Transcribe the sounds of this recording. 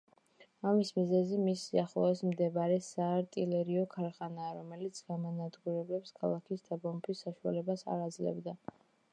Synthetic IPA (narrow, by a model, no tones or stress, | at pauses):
amismizɛzimisiaχlˠɔɛsmd̪ɛbaɾɛsaːɾt̪ʼilɛɾiɔkʰaɾχanaːɾɔmɛlit̪sʰɡamanad̪ɡuɾɛblɛpskʰalˠakʰisd̪abɔmpʰisːaʃua̰lɛbasa̰ɾad̪zlɛ̰bd̪a